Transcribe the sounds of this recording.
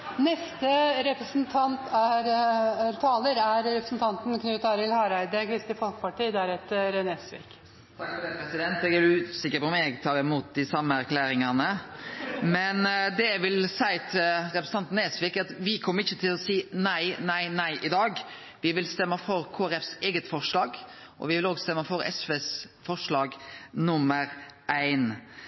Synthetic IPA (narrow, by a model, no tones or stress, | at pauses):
nɛst̪əɾɛpɾəsnt̪ʰɑnt̪æɾt̪ʰɑːləɾæɾɾɛpɾəsn̩t̪ʰɑnt̪n̩kʰnʉːt̪ɑːɾɪlhɑɾæɪd̪əkʰɾɪst̪ɪfɔlkəpɑʈiːd̪ɛæɾɛt̪ɾnɛsʋḭːk | t̪ʰɑkɔɛpɾɛsɪd̪ɛnt̪̚d̪ɛɡæɾʉːsɪkːəɾpɔɔmjɛɡt̪ʰɑːɾɪmuːt̪̚d̪ɪsɑmːəæɾkʰlæːɾɪŋɑnə | mɛnd̪ɛʋɪlsæɪt̪ʰɪlɾɛpɾsəɑnt̪ːneːsʋɪːkɑt̪ʋɪkʰɔmːəɾɪçːət̪ʰɪlɔsiːnæɪnæɪnæɪʔɪd̪ɑːɡ | ʋɪʋɪlst̪ɛmːəfɔɾkʰoːæɾɛfseːɡət̪fɔʂlɑːɡ | ʔɔ̰ʋɪʋɪloːɡst̪ɛmːəfɔɾɛ̰sʋeːsfɔʂlɑːɡnʊmːəɾʔæɪn